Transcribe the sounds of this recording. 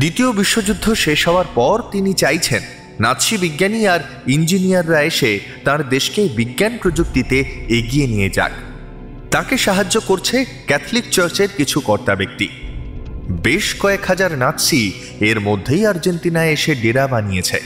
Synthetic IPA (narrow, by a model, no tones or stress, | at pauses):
d̪it̪iobiʃːod͡ʑud̪ʱːoʃeʃɦɔoaɾpɔɾt̪init͡ɕajt͡ɕʰenː | at̪ʃibiɡːaniaɾ | ind͡ʑinijaɾːaeʃe | t̪ãɾd̪eʃkebiɡːanpɾod͡ʑuk̚t̪it̪eeɡijenijed͡ʑa̰k | t̪ãkeʃaɦad͡ʑːokoɾt͡ɕʰe | kɛt̪ʰlik̚t͡ɕaɾt͡ɕeɾkit͡ɕʰukɔɾt̪abek̚t̪i | beʃkɔekhad͡ʑaɾnat̪ʃi | eɾmod̪ʱːejaɾd͡ʑent̪inaeʃeɖeɾabanijet͡ɕʰḛ